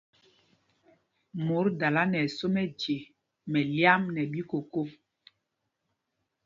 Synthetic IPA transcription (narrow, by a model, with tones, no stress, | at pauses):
mo˨˦ɾda˨la˦nɛ˨so˦mɛ˦d͡ʒe˨ | mɛ˨lja˦mnɛ˨ɓi˦ko˨ko˦